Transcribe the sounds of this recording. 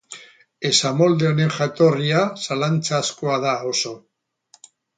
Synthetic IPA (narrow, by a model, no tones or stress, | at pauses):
e̞samo̞ld̪eone̞ŋʝat̪o̞riasalant͡saːskoaðao̞so̞